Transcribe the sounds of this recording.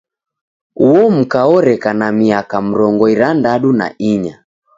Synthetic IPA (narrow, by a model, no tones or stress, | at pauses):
uɔm̩kaɔɾɛkanamiakam̩ɾɔŋɡɔiɾandaɗuna̰ʔiɲa